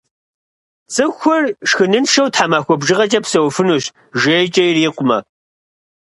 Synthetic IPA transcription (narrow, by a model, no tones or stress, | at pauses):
t͡sʼɨxʷɔrʂxɨnɨnʃɐwtħaːmaːxʷɔbʒɨʁɐt͡ʃʼɐpsɐwfɨnuːɕ | ʒejt͡ʃʼɐjriːqʷʼʊmɐ̰